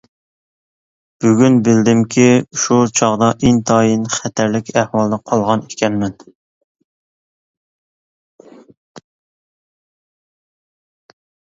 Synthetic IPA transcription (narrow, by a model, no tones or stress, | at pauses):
b̥yɡʲynbɪld̪ɪmkʲʰiʃut͡ʃʰɑʁd̪ɑʔeŋt̪ʰɑːjinχɛt̪ʰæɾlɪkʲʰæhwɑlˠd̪ɑqʰɑlˠʁɑnekʲʰɛnmɛn